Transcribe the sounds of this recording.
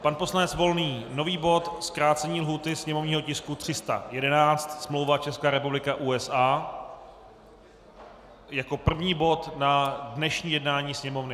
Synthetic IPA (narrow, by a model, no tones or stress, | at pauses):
panpo̞slanɛt͡svo̞lniːno̞viːbo̞t̪skɾaːt͡sɛɲiːlɦuːt̪ɪsɲɛmovɲiːɦo̞cɪskut̪r̝̥ɪst̪a̰jɛdɛnaːt͡st̪smlo̞wvat͡ʃɛskaːɾɛpublɪkaʔuːɛsaː | jako̞pr̩vɲiːbo̞t̪nadnɛʃɲiːjɛdnaːɲiːsɲɛmo̞vnɪ